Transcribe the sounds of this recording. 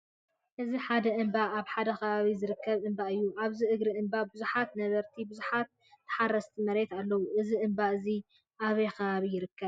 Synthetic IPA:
ʔɨziħad̪ɐʔɨmbaaβħad̪ɐkʰɐβaβizɨɾɨkʰːɐβʔɨmbaʔɨjːuʔaβziʔɨɡɾiʔɨmbabɨzuħat̪nɐβɐɾt̪ʰibɨzuħat̪̚ː | ɨ̥ħarːɐst̪ʰimɐɾe̞t̪alːɐwuʔɨziʔɨmbaʔɨzi | ʔaβɐjkʰɐβaβijɪɾɨkːɐβ

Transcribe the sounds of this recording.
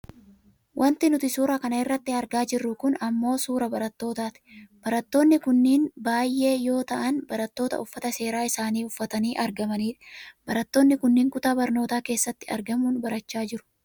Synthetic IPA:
wʔɐnt̪ɪnʊt̪ɪsuːɾɐkɐnɐɪrːɐt̪ːɪɐɾɡaːd͡ʒɪrːʊkʊnɐmːo̞ːsuːɾɐbɐɾɐt̪ːo̞ːt̪aːt̪ɪ̥b̥ɐɾɐt̪ːo̞ːnːɪkʊnːiːnbaːjʔe̞ːjo̞ːt̪ɐʔɐnbɐɾɐt̪ːo̞ːt̪ɐ̰ʊfːɐt̪ɐse̞ːɾaːɪsaːniːʊfːɐt̪ɐniːʔɐɾɡɐmɐniːᶑɐ̥b̥ɐɾɐt̪ːo̞ːnːɪkʊnːiːŋkʊt̪aːbɐɾno̞ːt̪aːke̞ːsːɐt̪ːɪɐ̰ɾɡɐmuːnbɐɾɐt͡ʃːaːd͡ʒɪɾʊ̥

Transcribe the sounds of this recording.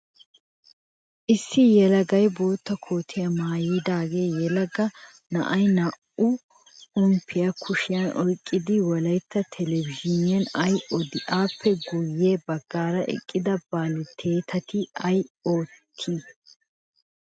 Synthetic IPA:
ʔɪsːɪjɛlɐɡɐjbo̞ːt̪ːɐkʰo̞ːt̪ʰɪjɐmaːjɪd̪aːɡe̞ːjɛlɐɡɐ | nɐ̰ʔɐjnɐʔʊ | ʊmpʰːɪjɐkʰʊʃɪjɐnɔjkʼːɪd̪ɪwɔlɐjt̪ːɐt̪ʰɛlɛvɪʒɪnɪjɐnɐjɔd̪ɪʔaːpʰːɛɡʊjːe̞ːbɐɡ̥ːaːɾɐʔɛ̰kʼːɪd̪ɐb̥aːlɪt̪ʰːe̞ːt̪ʰɐt̪ɪɐjo̞ːt̪ʰːi

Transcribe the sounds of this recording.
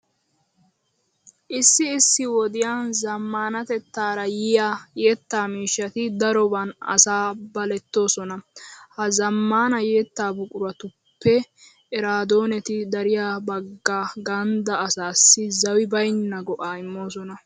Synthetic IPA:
ʔɪsːɪːsːɪwɔd̪ɪjaːnzɐmːaːnɐt̪ɛt̪ːaːɾɐjɪjaːjeːt̪ːaːmiːʃːɐt̪ɪd̪ɐɾɔbɐnɐ̰saːbɐlɛt̪ːo̞ːsɔnɐhɐzɐmːaːnɐjeːt̪ːaːbʊkʼʊɾɐt̪ʊpːɛ | ʔɛɾaːd̪o̞ːnɛt̪ɪd̪ɐɾɪjaːbɐɡːaːɡɐnd̪ɐːsaːsːɪzɐwɪbɐjnːɐɡɔʔaːɪmːo̞ːsɔnɐ

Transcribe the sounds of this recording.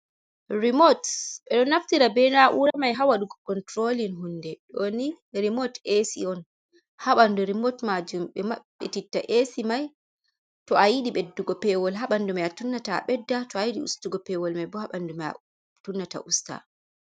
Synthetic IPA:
ɾimotɓɛɗɔnːaftiɾabɛnaʔuɾamajɦawaɗuɡɔkɔntɾolinɦundɛɗoni | ɾimɔtesḭɔn | haɓanduɾimɔtmad͡ʒumɓɛmaɓɛ̰titːaʔesimaj | tɔajiɗiɓedːuɡɔpɛwɔlɦaɓandumajatunːata̰ɓɛdːatɔajiɗḭṵstuɡɔpɛwɔlmajbɔhaɓanduma̰ | tunːata̰ʔusta̰

